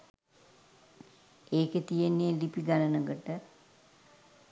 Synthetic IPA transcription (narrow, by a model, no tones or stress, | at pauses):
eːkət̪ijenːeːlipiɡalənəɡəʈə